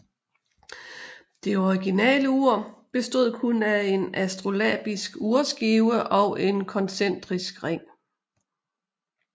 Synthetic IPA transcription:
d̥e̝ɒiɡ̥inɛ̰ːləuɐ̰b̥e̝sd̥o̝ð̰ˠkʰunæe̝næsd̥ʁo̝lɛ̰b̥isɡ̥uɐsɡ̥iʊəʔɒ̽ʊʔe̝nkʰɒ̽nsen̰d̥ʁisɡ̥ʁeŋ̰

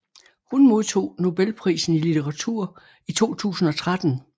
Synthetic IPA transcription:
hunmo̝ð̞ˠt͡sʰo̝̰ːno̝b̥elpʰʁḭːsn̩ilit͡sʰeʁɑ̈t͡sʰuɐ̰ | it͡sʰo̝̰ːt͡sʰṵːsn̩ɒ̽t͡sʰʁad̥n̩

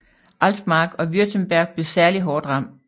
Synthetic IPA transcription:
ʔæld̥mɑ̈ɡ̥ɒ̽ʋyɐt͡sʰənb̥æɐɡ̥̚b̥le̝sæɐliɦɒːd̥ʁɑ̈m̰̥

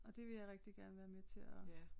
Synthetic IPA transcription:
ɒ̽d̥e̝ʋe̝jɑ̈ɪʁɛɡ̥̚d̥iɡ̥æɐnəʋæːɐmet͡sʰe̝lɒ̽

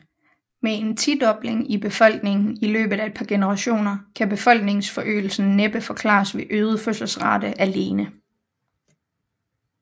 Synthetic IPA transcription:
mee̝nt͡sʰid̥ɒ̽b̥le̝ŋib̥e̝fɒ̽l̰ɡ̥ne̝ŋn̩ilø̰ːb̥ð̩ˠæe̝d̥̚pʰɑ̈ɡ̥e̝nəʁɑ̈ɕo̝̰ːnɐkʰæb̥e̝fɒ̽l̰ɡ̥ne̝ŋsfɒ̽ʔø̰ːl̩sn̩ːeb̥əfɒ̽kʰlɑ̰̈ːsʋe̝ʔøːð̞ˠəføsl̩sʁɑ̈d̥əʔæle̝ːnə

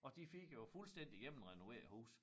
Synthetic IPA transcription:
ʔɒ̽d̥ifiɡ̥jofulsd̥en̰d̥ijem̰n̩ʁɛno̝ʋe̝ɐ̰hṵːs

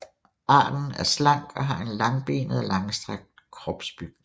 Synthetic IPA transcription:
ʔɑ̰̈ːd̥n̩æɐslɑ̈ŋ̰ɡ̥ɒ̽ɦɑ̈ʔe̝nlɑ̈ŋb̥e̝̰ːnəð̩ˠlɑ̈ŋsd̥ʁaɡ̥̚d̥kʰʁɒb̥sb̥yɡ̥̚n

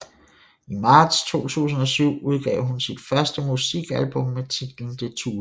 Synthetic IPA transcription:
imɑ̈ːd̥st͡sʰo̝̰ːt͡sʰṵːs̬n̩ɒ̽syʊ̰uð̞ˠɡ̥ɛ̰ʊɦunsid̥fɶɐsd̥əmusiɡ̥ælb̥ɔ̽mːet͡sʰid̥l̩n̩d̥ʰe̝t͡sʰṵː

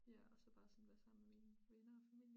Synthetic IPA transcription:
jæɒsɒ̽b̥ɑ̈ːsɒ̽n̩ʋæɐsɑ̈m̰n̩memiːnʋenɐɒfæmil̰jə

